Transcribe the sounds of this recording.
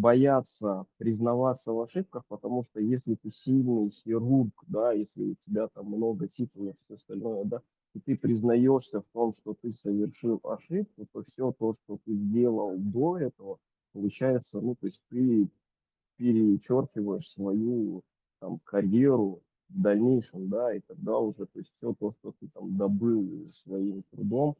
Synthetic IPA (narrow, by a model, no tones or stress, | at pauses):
bɐjat̪səpɾʲɪznɐvat̪sːəvɐʂɨp̚kəxpət̪ɐmuʂt̪ojesʲlʲɪt̪ɨsʲilʲnɨjxʲɪrurkd̪ajesʲlʲɪ̰ʊtʲɪbʲat̪amːno̞ɡətʲit̪ʊlʲˠəfsʲoɐst̪ɐlʲno̞jəd̪a | it̪ɨpɾʲɪznɐjo̞ʂsʲəft̪o̞mʂt̪o̞t̪ɨsəvʲɪrʂɨlˠɐ̰ʂɨp̚kʊt̪o̞fsʲo̞t̪o̞ʂt̪ot̪ɨzʲdʲe̞lˠəlˠd̪o̞ɛt̪əvə | pəlˠʊt͡ɕæjɪt̪sənut̪o̞ɪsʲt̚ʲp̪ɨ | pʲɪɾʲɪt͡ɕorkʲɪvəjɪʂsvɐju | t̪amkɐɾʲeɾʊ | vd̪ɐlʲnʲejʂɨmd̪ait̪ɐɡ̚d̪aʊʐɛt̪o̞ɪsʲtʲfsʲot̪o̞ʂt̪o̞t̪ɨt̪amd̪ɐbɨlˠsvɐimt̪ɾʊ̰d̪o̞m